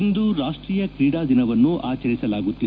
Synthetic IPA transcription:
nd̪uɾaːʂʈɾiːjɐkɾiːɽaːd̪inɐʋɐnːuʔaːt͡ʃɐɾisɐlaːɡut̪ːi

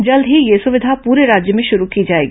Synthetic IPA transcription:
d͡ʒɐld̪ʱɦijesʊʋɪd̪ʱapuːɾeɾaːd͡ʒjəmẽʃʊɾukid͡ʒaːḛːɡi

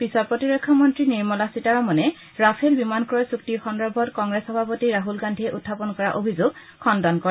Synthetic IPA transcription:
pisɔɹpɹotiɹekʰːɔmɔntɹiniɹmɔlasitaɹɔmɔnɛ | ɹapʰelbimankɔɹɔsuktixɔndɔbʱɔtkɔŋɡɹesxɔbʱapotiɹaɦulɡandʱiɛʔutʰːapɔnkɔɹaʔobʱizoɡ̚ | xʰɔndɔnkɔɹɛ

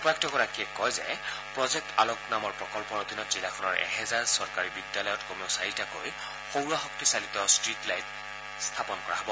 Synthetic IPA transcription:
pɹaktɔɡɔɹakiɛkɔjzɛ̰ | pɹɔzɛk̚ta̰loknamɔɹpɹɔkɔlpɔɹod̪ʱinɔtz̥ilakʰɔnɔɹʔɛ̰ɦɛzaɹsɔɹkaɹibidjalɔjɔtkomiosaɹitako̰j | xowɹaxɔktisalit̪ɔstɹitlajt | st̪ʰapɔnkɔɹaɦɔbɔ

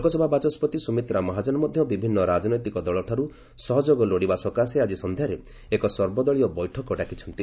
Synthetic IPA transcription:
kɔsɔbʱabat͡ʃɔspɔt̪isumit̪ɾamɔɦad͡ʒɔnɔmɔd̪ʱjɔbibʱinːɔɾad͡ʒɔnɔjt̪ikɔd̪ɔɭɔʈʰaɾu | sɔɦɔd͡ʒoɡɔloɽibasɔkasead͡ʒisɔnd̪ʱjaɾe | ekɔsɔɾbɔd̪ɔɭiɔbɔjʈʰɔkɔɖakit͡ʃʰɔnt̪i

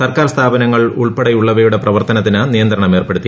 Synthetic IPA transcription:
sɐrkaːrst̪ʰaːbɐnɐŋːɐɭuɭpeɽɐjuɭːɐʋɐjuɽe̞prɐʋɐrt̪ɐnɐt̪ːinɨnijɐnd̪ɾɐɳɐme̞ːrpeɽut̪ːi

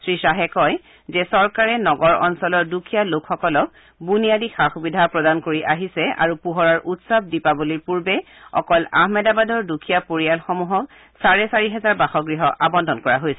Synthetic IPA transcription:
sɹisaɦɛkɔj | zɛsɔɹkaɹɛnɔɡɔɹɔ̰nsɔlɔɹdukʰijalokʰxɔkɔlɔk | bunijadixaxubidʱapɹɔdankoɹiʔaɦisɛa̰ɹupuɦɔɹaɹʔutsab̚dipabuliɹpuɹbɛ | ɔ̰kɔla̰ɦmɛdabadɔɹdukʰijapoɹialxɔmuɦɔk | saɹɛsaɹiɦɛzaɹbaxɔɡɹiɦɔʔabɔndʱɔnkɔɹaɦojsɛ

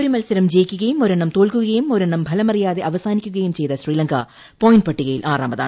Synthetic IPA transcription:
oɾumɐlsɐɾɐmd͡ʑeːkʲːɯɣɐjumoɾɐɳːɐmt̪oːɭkɯɣɐɐjumoɾɐɳːɐmbʱɐlɐmɐrijaːðeʔɐʋɐsaːnikʲːuɣɐjumt͡ɕejt̪ɐɕriːlɐŋkɐ | poːjnɖpɐʈːiɣɐjilʔaːraːmbɐða̰ːɳ

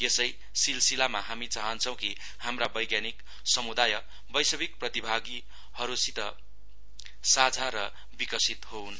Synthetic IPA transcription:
jesʌj | silsilamaɦamit͡saɦʌnt͡sʰʌw̃ki | hamrabʌjɡjanik | sʌmud̪ajʌ | bʌjsʌbik̚prʌt̪ibʱaɡi | hʌɾusit̪ʌ | sad͡zʱaɾʌ | bikʌsit̪houn

